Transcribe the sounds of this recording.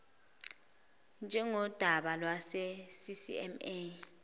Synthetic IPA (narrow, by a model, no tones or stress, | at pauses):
nd͡ʒʱɛŋɔd̥ʱaɓalwasɛsisḭɛ̰me